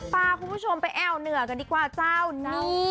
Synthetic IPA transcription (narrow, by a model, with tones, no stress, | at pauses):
paː˧kʰu˧npʰu˥˩o˧mpa˧jʔɛː˧˩wnɯ˨˩˦ɐka˧˩diː˧˩kwaː˧˩t͡ɕaː˥˩wni˧˩